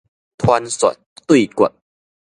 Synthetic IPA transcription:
t̪ʰwa˧nswa̰˨˩t̪̚t̪wi˥˨kə̰˨˩t̚

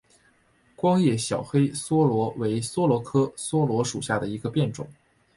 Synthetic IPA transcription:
kwɑ˥ŋjɛ˥˩ɕjɑ˨˩ʊxe˥ɪswɔ˥lwɔ˧˥we˧˥ɪswɔ˥lwɔ˧˥kʰɤ˥swɔ˥lwɔ˧˥ʂṵ˨˩ɕja˥˩d̪ə˩i˧˥ɡə˧pjɛ˥˩nʈ͡ʂʊ̰˨˩˦ŋ

